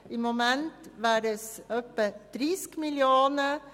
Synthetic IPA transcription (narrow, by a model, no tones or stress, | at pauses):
ɪmɔmɛnt̪ʋæːɾəsøpːət̪ɾɪskmɪljoːnə